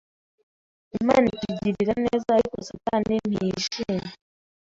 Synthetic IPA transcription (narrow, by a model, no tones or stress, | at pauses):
imaːnikiɟiɾiɾaneːzaɾikosataneniiʃeme